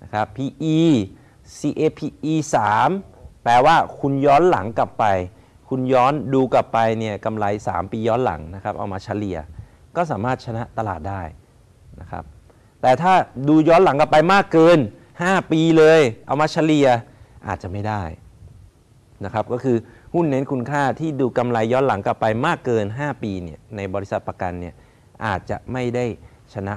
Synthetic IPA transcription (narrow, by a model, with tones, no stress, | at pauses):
na˦˥kʰa˦˥pʰːiː˧ʔiː˧ | siː˧ʔeː˧pʰiː˧ʔiː˧saː˩˦mplɛː˧waː˥˩kʰu˧njɔː˦˥nla̰˩˦ŋka˨˩pːa˧j | kʰu˧njɔː˦˥nduː˧kla˨˩pːa˧jni˥˩əka˧mla˧jsa̰ː˩˦mpiː˧jɔː˦˥nla̰˩˦ŋna˦˥kʰa˦˥p̚ʔa̰˧wmaː˧t͡ɕʰa˧˥li˨˧ɐ | kɔː˥˩s̬aː˩˦maː˥˩t̪̚t͡ɕʰa˧na˦˥ʔt̪a˧la̰ː˨˩t̪̚daː˥˩j | na˦˥kʰa̰˦˥p̚ | t̪ɛː˨˩t̪ʰaː˥˩duː˧jɔː˦˥nla˨˩˦ŋka˨˩pa˧jmaː˥˩kːɤː˧n | haː˥˩piː˧lɤː˧jʔa̰˧wmaː˧t͡ɕʰa˧˦˥li˧ɐ | ʔa̰ː˨˩t̪̚t͡ɕa˨ʔma˥˩jdaː˥˩j | na˦˥kʰa˦˥p̚kɔː˥˩kʰɯː˧hu˥˩nːe˦˥nkʰu˧nkʰaː˥˩t̪ʰiː˥˩duː˧ka˧mla˧jːɔː˦˥nla˩˦ŋka˨˩pːa˧jmaː˥˩kːɤː˧nɦaː˥˩piː˧ni˦˥˩ɐna˧jbɔː˧ɾi˦˥sa˨˩t̪̚pɾa˧ka˧nːi˥˩ɐ | ʔa̰ː˨˩t̪̚t͡ɕa̰˨˩ma˥˩jda˥˩j | t͡ɕʰa˧na˦˥ʔ